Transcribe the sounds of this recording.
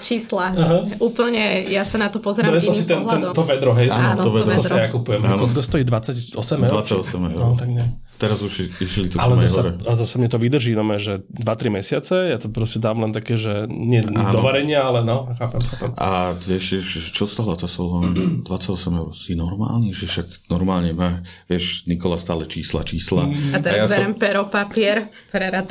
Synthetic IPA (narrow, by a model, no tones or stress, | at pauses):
t͡ʃiːslaaɦauːpl̩ɲɛjasanat̪ɔpɔzɾd̪ɾɛsɔsit̪ɛnɛnt̪ɔʋɛd̪ɾɔɦɛjaɔɔʋɛd̪t̪ɔajakupujɛmakɔɡd̪ɔst̪ɔjiːd̪ʋat͡sacɔsɛmɛd̪ʋat͡saɔsɛmɛ̰nɔt̪aɡɲɛ | t̪ɛɾazuʃiʃlit̪ualɛmɛassɔɾɛaɛzasamɲɛt̪ɔʋid̪r̩ʒiːnɔmɛʒɛ | d̪ʋat̪ɾimɛsɪat͡sɛjat̪ɔpɾɔscɛd̪aːmlɛnt̪akɛːʒɛɲɪɛanɔʋaɾɛɲɪaalɛnɔxaːpɛmxaːpɛmʔa̰ʋɛʃɛʃɛt͡ʃɔst̪aːd̪ʋat͡sacsɔlɔnd̪ʋat͡saɟɔsɛmɛʊɾsinɔɾma̰ːlniʒɛʃaɡ | nɔɾmaːlɲɛmaʋɪɛʃnikɔlast̪aːlɛt͡ʃiːsla̰t͡ʃiːsla̰aɛaajaʋɛɾɛmpɛɾɔpapɪɛɾpɾɛɾat̪